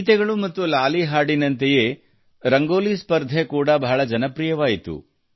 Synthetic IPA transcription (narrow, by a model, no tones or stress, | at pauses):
t̪ɛɡɐɭumɐt̪ːulaːliɦaːɽinɐnt̪eje̞ | ɾɐŋɡoːlispɐɾd̪ʱekuːɽɐbʱaɦɐɭɐd͡ʒɐnɐpɾijɐʋaːjit̪ṵ